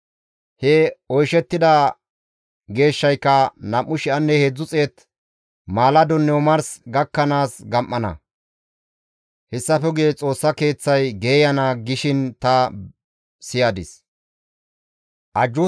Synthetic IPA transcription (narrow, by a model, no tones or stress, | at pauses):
hɛɔjʃɛt̪ːɪd̪ɐ | ɡe̞ːʃːɐjkːɐnɐmʔːʊʃɪɐnːɛhed͡zːʊt͡sʼeːt̪ | maːlɐd̪ɔnːɛwɔmɐɾsɡɐkːɐnaːsɡɐmʔːɐnɐ̰ | hɛsːɐfɛɡet͡sʼo̞ːsːɐke̞ːt͡sːɐjɡeːjɐnɐɡɪʃɪnt̪ɐ | sɪjaːd̪ɪs | ʔɐd͡ʒːʊ